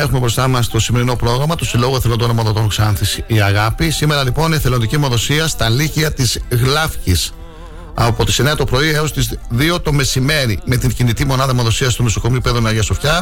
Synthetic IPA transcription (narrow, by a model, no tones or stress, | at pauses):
e̞xumebɾo̞st̪ɐmɐst̪o̞sime̞ɾino̞pɾo̞ɣɾɐmɐt̪usilo̞ɣoeθelond̪onomoðot̪onksɐnθisiːɐɣɐpisime̞ɾɐlipo̞nieθe̞lod̪icimo̞ðo̞siɐst̪ɐliciɐt̪izɣlɐfcis | ɐ̰po̞t̪i̥sineɐt̪o̞pɾo̞ieo̞st̪izðio̞t̪o̞me̞sime̞ɾime̞t̪iɲcinit̪imo̞nɐðɐmoðo̞siɐst̪omeso̞ko̞miupeðonɐɾʝɐsofçɐ